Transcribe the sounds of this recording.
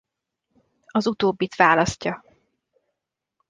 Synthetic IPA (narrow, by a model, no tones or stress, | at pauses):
ɒzut̪oːbːit̪ʋaːlɒscɒ